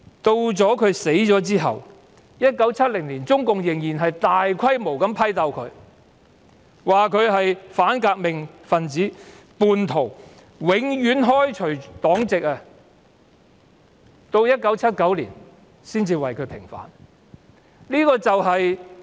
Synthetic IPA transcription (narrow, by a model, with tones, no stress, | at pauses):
t̪o˧wt͡sɔː˨˥kʰɵ˨˧ɥse˨˥jt͡sɔː˨˥t͡siː˥ɦɐ̰˨w | jɐ˥t̚kɐ˨˥wt͡sʰɐ˥t̚lɪ˨˩ŋliː˨˩nt͡sʊ˥ŋkʊ˨ŋjɪ˨˩ŋjiː˨˩nɦɐ˨jt̪aː˨jkʰɐ˥jmo˨˩wkɐ˨˥mpʰɐ˥jt̪ɐ˧wkʰɵ̰˨˧ɥ | waː˨kʰɵ˨˧ɥɦɐ˨jfaː˨˥nkaː˧k̚mɪ˨ŋfɐ˨nt͡siː˨˥puː˨nt̪ʰo˨˩w | wɪ˨˥ŋjyː˨˥nɦɔː˥jt͡ʃʰɵ˨˩ɥt̪ɔː˨˥ŋt͡sɪ˨k̚ɐ˧ | t̪o˧wjɐ˥t̚kɐ˨˥wt͡sʰɐ˥t̚kɐ˨˥wlḭː˨˩n | siː˥nt͡siː˧wɐ˨jkʰɵ˨˧ɥpʰɪ̰˨˩ŋfa̰ː˨˥n | liː˥kɔː˧t͡sɐ˨wɦɐ˨j